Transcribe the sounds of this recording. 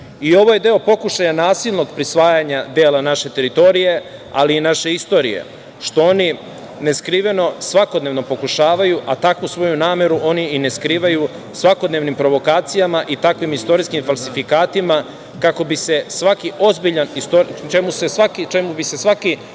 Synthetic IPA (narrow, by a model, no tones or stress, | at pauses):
io̞ʋo̞je̞d̪e̞o̞po̞kuʃajanaːsilˠno̞ɡpɾisʋaːjaɲad̪eːlˠanaʃe̞t̪e̞ɾit̪o̞ɾije̞a̰liːnaʃe̞ist̪o̞ɾijḛ | ʃt̪o̞o̞ni | ne̞skɾiːʋe̞no̞sʋako̞d̪neʋno̞po̞kuʃaːʋajuʔat̪akʋusʋo̞junaːme̞ɾuʔo̞niine̞skɾiːʋaju | sʋako̞d̪neʋnimpɾo̞ʋo̞kaːt̪sijamaʔit̪akʋimist̪o̞ɾiskimfalˠsifikaːt̪ima | kako̞bise̞sʋakiʔo̞zbiʎanist̪oɾt͡ʃemuse̞sʋakit͡ʃemubise̞sʋaki